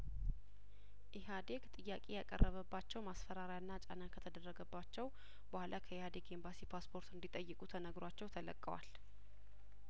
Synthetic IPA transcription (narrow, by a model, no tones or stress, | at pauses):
ʔiɦad̪e̞ɡt̪ʼɨjːakʼejakʼə̰rːəβəbːat͡ʃːɛwmasfəɾaɾjanːat͡ʃʼa̰nakʰət̪ʰəd̪ərːəɡəbːat͡ʃːɛw | bəhʷlakʰəɪhad̪e̞ɡe̞mbasipʰaspʰo̞ɾt̪ɨnd̪it̪ʼəjːɨkʼut̪ʰənəɡɾat͡ʃːɛwt̪ʰələ̰kʼːəwa̰l